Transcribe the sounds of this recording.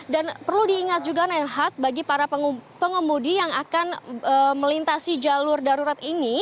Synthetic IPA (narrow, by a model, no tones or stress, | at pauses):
danpərludiːŋat̪̚d͡ʒuɡanɛlɦat̪̚baɡipaɾapəŋəmudijaŋakanəməlint̪asid͡ʒalʊrdaɾuɾat̪ini